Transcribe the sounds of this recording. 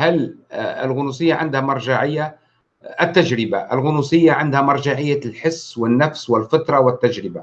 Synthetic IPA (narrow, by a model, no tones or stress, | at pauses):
halɪ̰lɣʊnusɪjːaʕɪnd̪hamɑɾˤʒaʕɪjːa | ʔɪt̪ːaʒɾɪbaʔɪlɣʊnusɪjːaʕɪnd̪hamɑɾˤʒaʕɪjːalħɪsːwɪnːafswɪlfɑt̪ˤɾˤɑwɪt̪ːaʒɾɪba